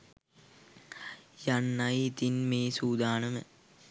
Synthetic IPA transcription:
janːɐjit̪inmeːsuːd̪aːnəmə

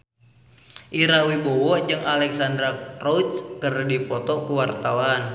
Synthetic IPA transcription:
ʔiɾawibɔwɔd͡ʒɨŋalɛksand̪ɾarɔt̪kərdipɔt̪ɔkuwart̪awan

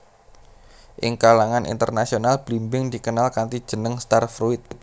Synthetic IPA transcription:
ʔɪ̰ŋkalaŋanʔḭnt̪ərnasionalb̥limbɪŋd̪̥i̤kənalkant̪id̥ʒ̥ənəŋst̪arfɾuɪt̪̚

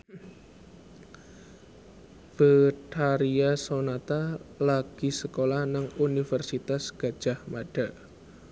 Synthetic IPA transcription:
b̥əʈʰaɾiasonat̪alaɡ̥i̤səkolahnaŋunifərsit̪asɡ̥a̤d̥ʒ̥ahmaɖ̥a

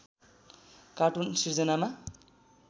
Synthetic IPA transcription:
kaʈunsird͡zʌnama

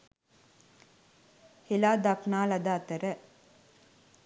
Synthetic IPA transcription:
helaːd̪aknaːlɐd̪aːt̪əɾə

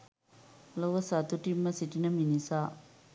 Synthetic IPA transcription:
loʋəsat̪uʈimːəsiʈinəminisaː

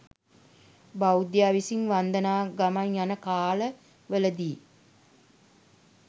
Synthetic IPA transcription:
bawd̪jaːʋisiŋʋand̪ənaːɡamaɲjanəkaːlə | ʋələd̪iː

